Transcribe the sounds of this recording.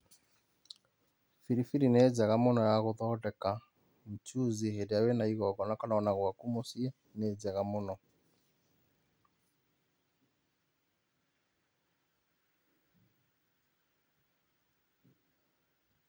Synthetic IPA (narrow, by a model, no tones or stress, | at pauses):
fiɾifiɾined͡ʒɛɣamonɔjaɣoðɔdɛka | m̩t͡ʃuzihedejawenaiɣɔɡɔnakananaɣwakumosiɛ | ned͡ʒɛɣamonɔ